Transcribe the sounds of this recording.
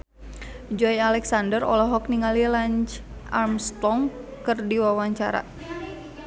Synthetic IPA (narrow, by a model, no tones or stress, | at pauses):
d͡ʒɔjalɛksandərɔ̰lɔɦɔk̚niŋalilaɲt͡ʃ | ʔa̰rmst̪ɔŋkɨrdiwawaɲt͡ʃa̰ɾa̰